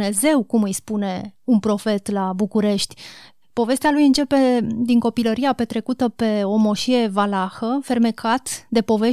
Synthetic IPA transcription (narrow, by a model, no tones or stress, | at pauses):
ne̞ze̞wkumɨjspune̞unpɾo̞fe̞t̪labukuɾe̞ʃt̪ʲ | po̞ve̞st̪ealujɨnt͡ʃe̞pe̞d̪iŋko̞piləɾiape̞t̪ɾe̞kut̪əpe̞o̞mo̞ʃie̞valaxəfe̞rme̞kʰat̪d̪e̞po̞ve̞